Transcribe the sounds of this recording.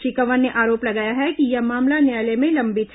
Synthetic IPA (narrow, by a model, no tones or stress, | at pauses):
ʃɪkəʋənːeʔaːɾoːplɐɡaːjaɦɛkijɐɦmaːmlanjaːlemẽlɐ̃mbɪt̪ʰ